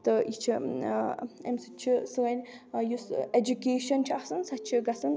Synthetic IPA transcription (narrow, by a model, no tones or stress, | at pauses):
t̪ɨjit͡ʃʰi | ḛmsɨt͡ʃʰisɨɣɐnʲjused͡ʒukeːʃɐnt͡ʃʰiɐsɨnsɐt̪̚t͡ʃʰiɡɐsɨn